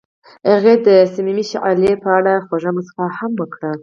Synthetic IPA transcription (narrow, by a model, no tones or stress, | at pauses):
aɣed̪əsamimiʃʕa̰lepəaɽaxwoʒəmasfahamwəkɽə